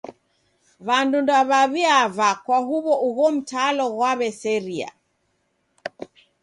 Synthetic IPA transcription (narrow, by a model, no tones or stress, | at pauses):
βandundaβaβiavakwaɦuβɔʔuɣɔm̩talɔɣwaβɛsɛɾia̰